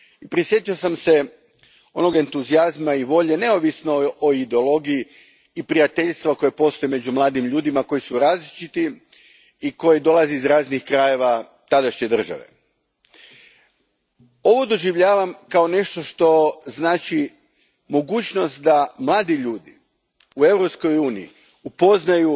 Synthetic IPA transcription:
ipɾisje̞t̪io̞samse̞ | o̞̰no̞ɡe̞nt̪uziazmaiʋo̞ʎe̞ne̞oʋisno̞oid̪eolˠo̞ɡijiː | pɾiat̪e̞ʎʲst̪ʋako̞jepo̞st̪o̞jeme̞d͡ʑumlˠaːd̪imʎuːd̪imako̞jisuɾaːzlit͡ʃit̪i | iko̞jed̪o̞lˠaziizɾaːznixkɾaje̞ʋa | t̪ad̪aʃɲe̞d̪r̩ʒa̰ʋe̞̰ | o̞ʋod̪o̞ʒiʋʎaːʋamkao̞ne̞ʃt̪o̞ʃt̪o̞znaːt͡ʃi | mo̞ɡuːt͡ʃno̞st̪̚d̪amlˠaːd̪iʎuːd̪i | ue̞wɾopsko̞juːnḭḭ | upo̞znaju

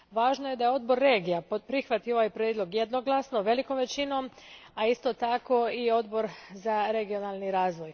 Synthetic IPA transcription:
ʋaːʒnoje̞d̪ajeo̞d̪bo̞ɾːe̞ːɡijappɾixʋat̪io̞ʋajpɾed̪lˠo̞ɡjed̪no̞ɡlˠasnoʋe̞liko̞mʋe̞t͡ɕino̞maist̪ot̪ako̞io̞d̪bo̞ɾzaɾe̞ɡio̞naːlˠniɾaːzʋo̞j

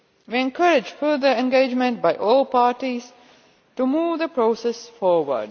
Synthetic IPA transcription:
ʋiɛ̃nkʌɾɪd͡ʒfəɾd̪əɾɛ̃nɡeːd͡ʒmə̃nʈ̚baɪʔɔːlpaːɾʈiz | ʈumuːʋd̪əpɾoːsɛsfɔːɾʋə̰ɖ

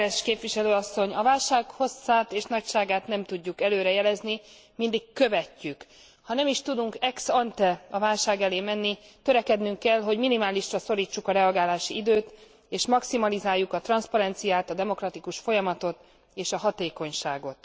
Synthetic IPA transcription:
ɛʃkeːpʋiʃɛløːɒsːo̞ɲɒvaːlʃaːkho̞sːaːt̪eːʃnɒcʃaːɡaːt̪nɛmt̪uɟːukɛløːɾɛjɛlɛzni | mind̪ikːø̞vɛcːyk | hɒnɛmiʃt̪ud̪uŋkɛksɒnt̪ɛɒvaːlʃaːɡɛleːmɛnːit̪ø̞ɾɛkɛd̪nyŋkːɛlɦo̞ɟminimaːliʃrɒso̞ɾiːt͡ʃːukɒɾɛɒɡaːlaːʃiid̪øːt̪ | eːʃmɒksimɒlizaːjːukɒt̪rɒnspɒɾɛnt̪sijaːt̪ɒd̪ɛmo̞krɒt̪ikuʃfo̞jɒmɒt̪o̞t̪ | eːʃɒɦɒt̪eːko̞ɲʃaːɡo̞t̪

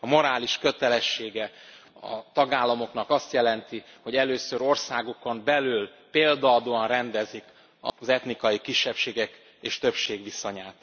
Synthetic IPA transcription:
ɒmo̞ɾaːliʃkø̞t̪ɛlɛʃːeːɡɛɒ̰t̪ɒɡaːlːɒmo̞knɒkɒst̪jɛlɛnt̪i | ho̞ɟɛløːsøɾo̞rsaːɡokombɛlyl | peːld̪ɒːd̪oːɒnrɛnd̪ɛzik | ɒ̰zɛt̪nikɒjikiʃːɛpʃeːɡɛk | eːʃt̪ø̞pʃeːɡʋiso̞ɲaːt̪

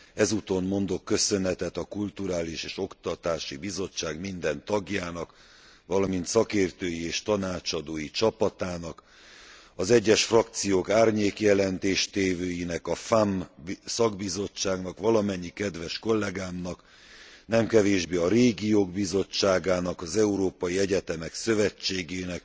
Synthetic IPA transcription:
ɛzut̪o̞mmo̞nd̪o̞kːø̞sø̞nɛt̪ɛt̪ɒkult̪uɾaːliʃeːʃo̞kt̪ɒt̪aːʃibizo̞t͡ʃːaːɡmind̪ɛnt̪ɒɡjaːnɒk | ʋɒlɒmint̪sɒkeːrt̪øːjieːʃt̪ɒnaːt͡ʃɒd̪oːjit͡ʃɒpɒt̪aːnɒk | ɒzɛɟːɛʃfrɒk̚t̪sijoːkaːrɲeːkjɛlɛnt̪eːʃt̪eːvøːjinɛkɒfambsɒɡbizo̞t͡ʃːaːɡnɒkʋɒlɒmɛɲːikɛd̪ʋɛʃko̞lːɛɡaːmnɒk | nɛmkɛveːʒbeːɒɾeːɡijoːɡbizo̞t͡ʃːaːɡaːnɒkɒzɛuɾoːpɒjiɛɟɛt̪ɛmɛksø̞vɛt͡ʃːeːɡeːnɛk

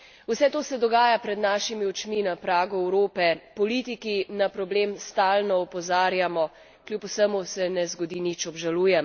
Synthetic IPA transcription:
usɛt̪oːsɛd̪ɔɡaːjapɾɛd̪naːʃimiɔt͡ʃminapɾaːɡuɛwɾoːpɛpɔliːt̪ikinapɾɔbleːmst̪aːlnɔɔpɔzaːɾjamɔ | kljupusəmusɛnɛzɡɔd̪iːnit͡ʃɔbʒaluːjɛm

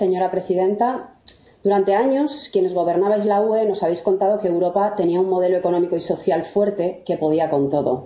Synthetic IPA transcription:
se̞ɲo̞ɾapɾe̞siðẽ̞nt̪a | d̪uɾant̪e̞aɲo̞skje̞ne̞zɣ̞o̞β̞e̞ɾnaβ̞ajzlaue̞no̞saβ̞e̞jsko̞nt̪að̞o̞keːwɾo̞pat̪e̞niaummo̞ðe̞loeko̞nomiko̞iso̞θjalfwe̞ɾt̪e̞ke̞po̞ð̞iako̞nt̪o̞ðo̰

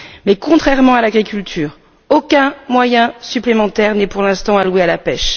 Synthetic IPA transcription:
mɛkɔ̃t̪χɛʁmɑ̃alaɡʁikʲylt̪ʰyːʁ | okʲɛ̃mwajɛ̃syplemɑ̃t̪ɛʁnɛpuʁlɛ̃st̪ɑ̃alwealapɛʃ

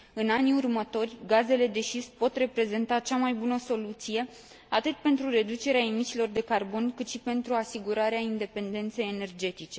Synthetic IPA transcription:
ɨnaniurmət̪o̞rʲɡaze̞le̞d̪e̞ʃispo̞t̪re̞pɾe̞ze̞nt̪at͡ʃamajbunəso̞lut̪sije̞ | at̪ɨt̪pe̞nt̪ɾure̞d̪ut͡ʃe̞ɾeaemit͡ʃilo̞rd̪e̞karbo̞nkɨt̪ʃipe̞nt̪ɾuasiɡuɾaɾeaind̪e̞pe̞nd̪e̞nt̪se̞jene̞rd͡ʒe̞t̪it͡ʃe̞

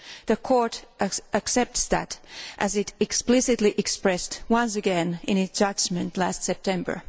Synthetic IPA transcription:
ðɨkʰɔɹɾɨksɛp̚tsðɨ̰ɾʔɨzɨɾɨksplɪsɨtˡliʔɨkspɹɛstwʌ̃ns̬ɨɡɛ̃nɪ̃ñɨtsd̥ʒ̥ʌd͡ʒmɨ̃ntlæstsɛp̚tʰɛ̃mbə̰˞

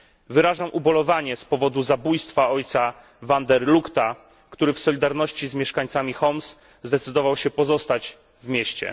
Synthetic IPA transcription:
vɘɾaʐamʔubɔlɔvaɲɛspɔvɔd̪uzabujst̪faɔjt̪sa | vand̪ɛɾlukt̪a | kt̪uɾɘfsɔlʲid̪aɾnɔɕt͡ɕizmʲjɛʂkaɲt̪samʲixɔms | zd̪ɛt̪sɘd̪ɔvawɕɛpɔzɔst̪ad͡ʑ | vmʲjɛɕt͡ɕɛ̰

